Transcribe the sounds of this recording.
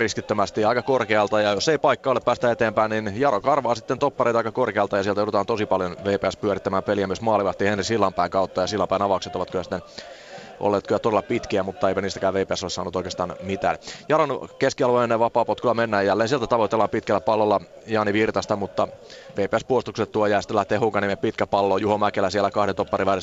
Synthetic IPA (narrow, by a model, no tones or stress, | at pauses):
riskit̪ːømæst̪iɑikɑkorkeɑlt̪ɑjɑjosːeipɑikːɑoleppæːst̪æet̪eːmpæinninjɑɾokɑrʋɑːsit̪ːent̪opːɑreˑit̪ɑikɑkorkeɑlt̪ɑjɑsielt̪æouɾut̪ɑːnt̪osipɑljonʋeːpeæspyøɾit̪ːæmæːmpeliæmyøsmɑːliʋɑst̪ihenrisilːɑmpæiŋkɑut̪ːɑjɑsilːɑmpæinɑʋɑkset̪oʋɑt̪kojæsi̥t̪ːen | ʔo̰lːeːt̪kojæt̪odelːɑpit̪kiæmut̪ːɑeipæniːst̪ækæːʋʋeipeæsolesɑ̰ːnut̪oikeːst̪ɑːnmit̪æ̰ːnjɑlonkeskiɑlʋoineneʋɑpɑːpot̪kylːæmenːæːjælːeːnsielt̪æt̪ɑʋot̪ːelːɑmpit̪kælːæpɑlːolːɑ | jɑːniʋirt̪ɑst̪ɑmut̪ːɑʋeipeæspuost̪ukset̪t̪ːuojæːst̪ːælæht̪ːeːhuːkɑnimeppit̪kæpɑlːoːjuhomækelæsielːˑækɑhɾet̪opːɑriʋæɾes